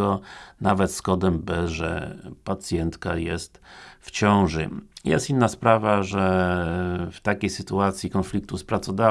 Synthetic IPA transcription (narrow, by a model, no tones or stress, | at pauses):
ɔnavɛt̪skɔd̪ɛmbɘʐɛ̰pat̪sʲjɛnt̪kajɛst̪ft͡ɕɔ̃w̃ʐɘ̰jɛ̰st̪inːaspɾavaʐɛ | ft̪akʲejsɘt̪uat̪sʲjikɔnflʲik̚t̪uspɾat̪sɔd̪a